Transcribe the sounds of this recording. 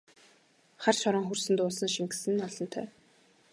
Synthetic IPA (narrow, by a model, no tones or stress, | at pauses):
χarʃɔɾɞ̆ŋxɵrsɘ̆nt̪ʊːsə̆nʃiŋɡɘsɘ̆nɔɮɞ̆nt̪ʰœ̰ː